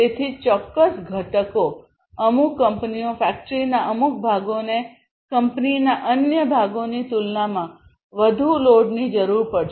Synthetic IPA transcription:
et̪ʰit͡ʃɔkːəsɡʱəʈəko | əmukːəmpniofɛk̚ʈɾinaʔəmuk̚bʱaɡone | kəmpninaʔənjəbʱaɡonit̪ulnamã | ʋəd̪ʱuloɖnid͡ʒəɾuɾpəɽʃ

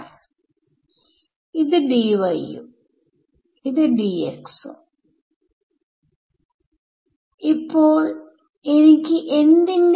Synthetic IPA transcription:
id̪ɨɖiːʋɐjːṵ | id̪ɨɖiːḛksṵ | ipːoːɭ | enikʲːiʔend̪ind

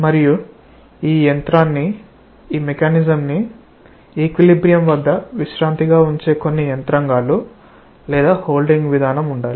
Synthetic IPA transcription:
mɐɾiju | iːjɐnt̪ɾaːnːi | iːmekaːnizɐmni | ekʋilibɾijɐmʋɐd̪ːɐʋiʃɾaːnt̪iɡaːuɲt͡ʃe̞ːko̞nːijɐnt̪ɾɐŋɡaːlu | lɛːd̪aːho̞ːlɖiŋɡʋid̪ʱaːnɐmuɳɖaːli

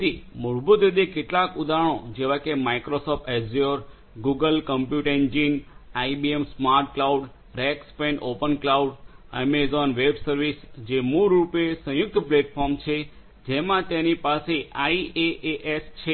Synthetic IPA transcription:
imʊɾbud̪ʋed̪ikeʈlakud̪aɽ̃õd͡ʒeʋakemaikɾosɔp̚ʰʈezoɾ | ɡuɡəlkəmpjuʈẽnd͡ʒinaibiemsmaɾʈ̚klauɖ | ɾekspẽnɖopənklauɖḛmezɔnʋebsəɾʋisd͡ʒemuɾːupesə̃jʊk̚t̪ʰpleʈfʰɔɾmt͡ʃʰe | d͡ʒemãt̪enipaseʔaieʔeʔest͡ʃʰe

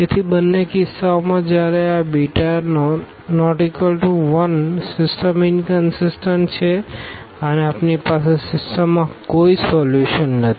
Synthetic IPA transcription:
et̪ʰibənːekɪsːaomãd͡ʒjaɾeabiʈan | nɔʈikəlʈuʋənsɪsʈəmɪnkənsɪsʈəɳt͡ʃʰe | əneapnipasesɪsʈəmːãkoisɔljuʃənːət̪i

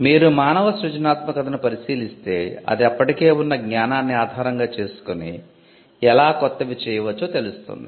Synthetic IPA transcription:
miːɾumaːnɐʋɐsɾud͡ʒɐnaːt̪mɐkɐd̪ɐnupɐɾisiːlist̪e̞̰ːɐ̰d̪iɐpːɐʈike̞ːunːɐɡɲaːnaːnːiaːd̪ʱaːɾɐŋɡaːt͡ʃe̞ːsu̥koni | ɛlaːkɔt̪ːɐʋit͡ʃɛːjɐʋɐt͡ʃːoːt̪elust̪ṵnd̪i

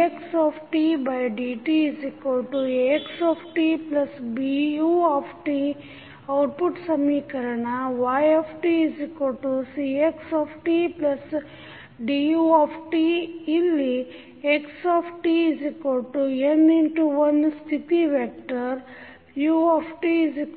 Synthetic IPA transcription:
eksaːpʰʈibajɖiːʈiizikolʈueksaːpʰʈiplɐsbijuːapʰʈi | ɐwʈ̚puʈsɐmiːkɐɾɐɳɐʋaːjepʰʈiizikoʈusieksaːpʰʈiplɐs | ɖijuapʰʈiːlːi | eksaːpʰʈiizikɐlʈueniɳʈuʋɐnst̪ʰit̪iʋeːk̚ʈɐɾ | juːepʰʈiizi

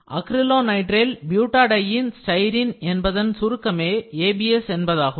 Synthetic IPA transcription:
ʔɐkɾɪloːnɐɪʈrɪlbjuːʈːaːɽɐjɪnsʈɐɪɾinɛnbɐðɐnsʊɾɯkːɐmeːeːbiɛsɛnbɐðaːɣɯ

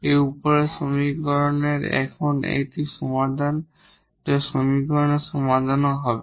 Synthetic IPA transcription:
ejupɔɹɛsomikɔɹɔnɛɹɛ̰kʰɔnḛjtisɔmad̪ʱan | tɛsomikɔɹɔnɛsɔmad̪ʱanɔɦɔb

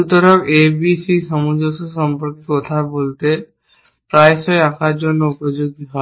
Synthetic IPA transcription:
ut̪ɔɾɔkebisisɔmud͡ʒɔsɔsɔmpɔɾkit̪kɔt̪ʰabolt̪e | pɾajsɔjakad͡ʒɔnːɔupɔd͡ʒuɡiɦɔ

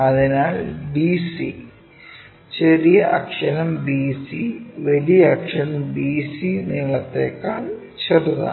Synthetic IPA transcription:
ɐðinaːɭbiːsi | t͡ɕerijɐʔɐkʂɐnɐmbiːsiʋɐlijɐːkʂɐnɐmbiːsiniːɐɭɐt̪ːeːkːaːl | t͡ɕeruðɐ̰

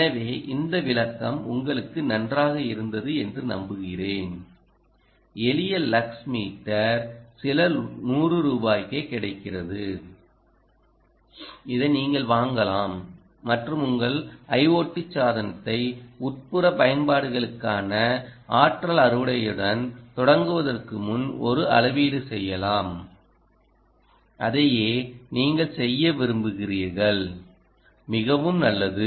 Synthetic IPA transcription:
ɐʋeːʔɪnd̪ɐʋɪlɐkːɐmʊ̰ŋɡɐɭɯkːɯnɐndraːɣɐɪɾɯnd̪ɐðɯɛndrɯnɐ̰mbɯɣɪreːn | ɛlɪjɐlːɐksmiːʈːɐɾsɪlɐnuːrɯɾuːbaːjkeːkɪɽɐɪkːɪrɐðɯ | ɪðɐniːŋɡɐɭʋaːŋɡɐlaːmː | ɐʈrɯmʊŋɡɐɭʔɐɪʋoːʈːɪt͡ʃːaːðɐnɐt̪ːɐɪʊʈ̚pɯɾɐpɐjɐnbaːɽɯɣɐɭɯkːaːnɐʔaːʈrɐlɐɾɯʋɯɽɐjɯɽɐnt̪ɔɽɐŋɡɯʋɐðɐrkɯmʊnɔɾɯʔɐ̰lɐʋiːɽɯsɛjːɐlaːm | ʔɐðɐjeːniːŋɡɐɭsɛjːɐʋɪɾɯmbɯɣɪriːɾɣɐɭ | mɪɣɐʋɯmnɐlːɐðɯ

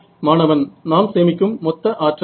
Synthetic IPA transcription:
maːnɐʋɐnnaːmseːmɪkʲːɯmːɔt̪ːɐʔaːʈr

